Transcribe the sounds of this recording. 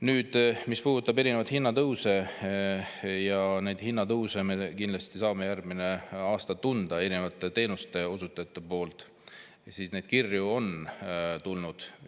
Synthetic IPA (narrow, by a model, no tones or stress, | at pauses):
nyːd̪̥mispuːd̪ut̪ːˑɑbe̞ɾine̞vɑt̪hinːɑt̪ɤwse̞ | jɑne̞jd̪̥hinːɑt̪ɤwsemekind̪lɑst̪isɑːme̞jærɡ̚mine̞ɑːst̪ɑt̪und̪̥ɑe̞ɾinevɑt̪ːˑe̞t̪e̞ːnust̪e̞o̞sut̪ːˑɑjɑt̪ːˑepo̞ːlt̪ˑ | siːsne̞jd̪̥kirjuo̞nt̪ulnud̪̥